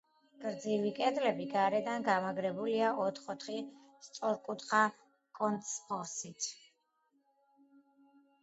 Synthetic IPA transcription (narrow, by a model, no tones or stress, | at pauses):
ɡ̥ʼɾd̪zivikʼɛd̪lɛbiɡaɾɛd̪anɡamaɡɾɛbuliaɔt̪ʰχɔt̪ʰχi | st̪sʼɔɾkʼut̪χa | kʼɔnt̪spɔsit̪ʰ